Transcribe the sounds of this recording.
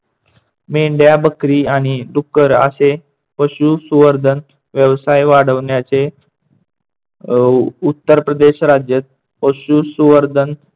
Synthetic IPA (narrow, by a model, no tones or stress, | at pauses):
meɳɖjabəkɾiːaɽ̃id̪ukːəɾa̰se | pəɕusuʋəɾd̪ʱən | ʋjəʋsajʋaɽəʋɳjat͡se | ut̪ːəɾpɾəd̪eɕɾad͡ʑjət̪̚ | pəɕusuʋəɾd̪ʱən